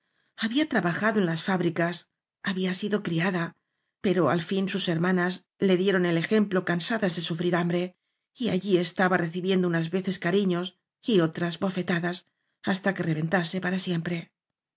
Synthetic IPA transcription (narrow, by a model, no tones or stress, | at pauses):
aβiat̪ɾaβaxaðoe̞nlasfaβɾikas | aβiasiðo̞kɾiaða | pe̞ɾo̞a̰lfinsuse̞ɾmãnaz | le̞ðje̞ɾo̞ne̞le̞xe̞mplo̞kansaðazðesufɾiɾambɾe | ia̰ʎie̞st̪aβare̞θiβje̞nd̪ounazβe̞θe̞skaɾiɲo̞s | io̞t̪ɾazβo̞fe̞t̪aðas | ast̪ake̞re̞βe̞nt̪ase̞paɾasje̞mpɾe̞